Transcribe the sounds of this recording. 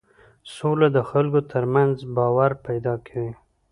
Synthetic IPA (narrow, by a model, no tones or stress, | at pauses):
solad̪əxalɡot̪ʰəɾmanzbɑwaɾpajd̪ɑkʰawi